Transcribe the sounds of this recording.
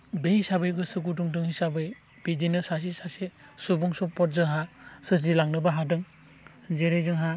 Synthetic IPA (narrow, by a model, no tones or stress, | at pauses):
bejisabɯjɡɯsɯɡuduŋdɯŋhisabɯj | b̥idinɯsas̬isase | subuŋsɔpɔɾ̚zɯɦasɯzilaŋnɯbaɦadɯŋ | zeɾejzɯŋɦa